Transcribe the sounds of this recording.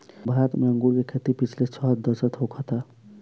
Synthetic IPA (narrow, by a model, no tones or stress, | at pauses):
bʱaɾət̪meə̃ŋɡuɾkekʰet̪ipit͡ʃʰlet͡ʃʰɔd̪əsət̪ɦokʰɔt̪a